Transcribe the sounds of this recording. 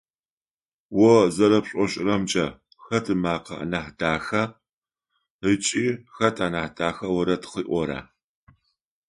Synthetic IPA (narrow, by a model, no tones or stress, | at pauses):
wɔzɐɾɐpɕʷʼɔɕʼɪrɐmt͡ʃʼɐ | xɐtʰɨmaːqɐ̰ʔnaħdaːxɐ | ət͡ʃʼiːxɐtʰʼaːnaːħdaːxɐwɔɾɐtʰχiːʔʷɔɾa̰ː